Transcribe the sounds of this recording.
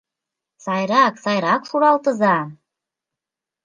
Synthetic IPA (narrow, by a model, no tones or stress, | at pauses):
sɑjɾɑksɑjɾɑkʂuɾɑlˠt̪ɤ̆zɑ